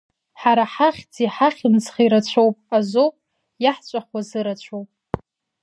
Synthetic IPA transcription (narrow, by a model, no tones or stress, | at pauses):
ħaɾaħaχʲd͡ziħaχʲɪnt͡sχiɾat͡ɕʷʰowpʼazowpʼ | jaħt͡ʃʷʼaχwazɨɾat͡ɕʷʰowpʼ